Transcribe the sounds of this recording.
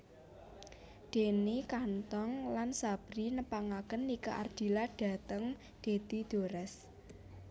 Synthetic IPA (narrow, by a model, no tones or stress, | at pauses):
ɖ̪̥e̤nikant̪ɔŋlansab̥ɾinəpaŋakənːikaʔard̪̥i̤laɖ̥ä̤t̪əŋ | d̪̥e̤d̪̥id̪̥o̤ɾɛs